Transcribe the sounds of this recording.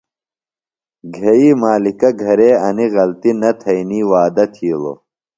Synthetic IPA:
ɡʱɐiːmaːlikɐɡʱɐɾeːɐniɣɐlt̪inɐt̪ʰɐiniːwaːd̪ɐt̪ʰiːlo̰

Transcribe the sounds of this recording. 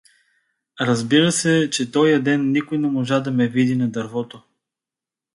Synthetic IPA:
ɾɐzbiɾɐsɛt͡ʃɛt̪ɔjɐd̪ɛnːikojnɛmoʒad̪ɐmɛvid̪inɐd̪ɐɾvɔt̪o

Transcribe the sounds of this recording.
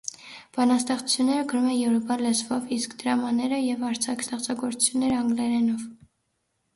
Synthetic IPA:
b̥ɑnɑst̪ɛχt͡sʰu̥t͡sʰjunːɛɾəɡəɾumɛjɛvɾɔpɑləzvɔviskd̪əɾɑmɑnɛɾəjɛvɑɾt͡sʰɑkst̪ɛχt͡sʰɑɡɔɾt͡sʰu̥t͡sʰjunːɛɾəɑŋɡlɛɾɛnɔv

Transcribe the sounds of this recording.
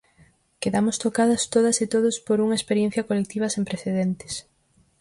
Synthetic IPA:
keðamʊst̪okaðɐst̪oð̞ɐset̪oðʊspoɾuŋɐespeɾjen̟θjɐkolek̚t̪iβ̞ɐsempɾeθeðent̪ɪ̥s

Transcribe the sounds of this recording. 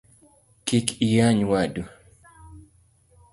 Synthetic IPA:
kikʰijaɲwadu

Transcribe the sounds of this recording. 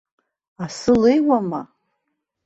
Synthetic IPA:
asɨlejwama

